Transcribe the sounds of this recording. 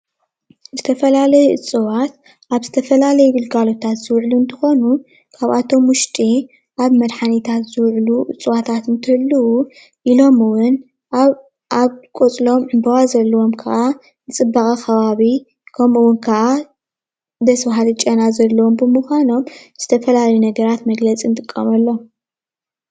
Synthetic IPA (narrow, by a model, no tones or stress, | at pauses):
zɨt̪ʰɐfɐlalɐjʔɨ̰t͡sʼɨwat̪̚ | ʔaβzɨt̪ʰɐfɐlalɐjɛɡɨlɡalo̞t̪ʰat̪zɨwʕluɨnt̪ʰɨ̥xo̞nu | kʰaβat̪ʰo̞mwʊʃt̪ʼi | ʔaβmɐd̪ħanit̪ʰat̪zɨwʕluʔɨt͡sʼːɨwat̪ʰat̪ɨnt̪ʰɨlːɐwu | ʔilo̞mɨwʊn | ʔaβkʼot͡sʼlo̞mɨnbɐwazɐlːɐwo̞mkʰɐʔa | nɨt͡sʼɨbːaxʼɐxʰɐβaβi | kʰɐmɨwʊnkʰɐʔa | d̪ɐsbaɦalɨt͡ʃʼɐnazɐlːɐwo̞mbɨmuxʷano̞mz̥ɨ̥t̪ʰɐfɐlalɐjunɐɡɐɾat̪mɐɡlɐt͡sʼint̪ʼɨkʼːɐ̰mɐlːo